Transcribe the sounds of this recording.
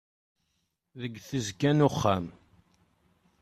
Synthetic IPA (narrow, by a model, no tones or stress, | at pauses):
ðəɡːθəzkːænʊχːæm